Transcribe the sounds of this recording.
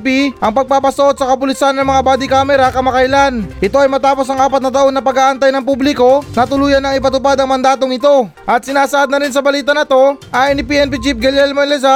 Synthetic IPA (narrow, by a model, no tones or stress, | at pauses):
piʔɐŋpɐɡ̚paːpɐsɐʔo̞d̪̚sɐkɐpʊlɪsanːɐŋmɐŋabaːd̪ɪkaːmɛɾɐkɐmɐkɐjlanʔɪt̪o̞ɐjmɐt̪aːpo̞sɐŋʔaːpɐt̪̚nɐt̪ɐʔo̞nːɐpɐɡaːʔɐnt̪ajnɐŋpublɪko̞nɐt̪ʊluːjɐnːɐŋɪpɐt̪ʊpad̪ɐŋmɐnd̪aːt̪o̞ŋɪt̪o̞ | ʔɐt̪̚sɪnaːsɐʔad̪̚nɐɾɪnsɐbɐliːt̪ɐnɐt̪o̞ʔajnɪpiːʔɛnp̬it͡ʃip̚ɡɐlɛlmonlɛza